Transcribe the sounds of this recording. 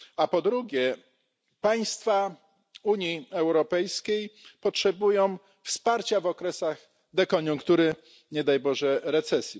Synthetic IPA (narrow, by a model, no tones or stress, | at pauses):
apɔd̪ɾuɡʲjɛ | paj̃st̪fa | uɲjiɛwɾɔpɛjskʲejpɔtʂɛbujɔ̃w̃ | fspaɾt͡ɕavɔkɾɛsaɣ | d̪ɛkɔɲuŋkt̪uɾɘ | ɲɛd̪ajbɔʐɛɾɛt̪sɛsʲji